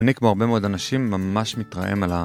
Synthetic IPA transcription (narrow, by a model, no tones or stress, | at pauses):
nikmoaʁbe̞meo̞d̪anaʃimːamaʃmit̪ʁa̰ʔḛmala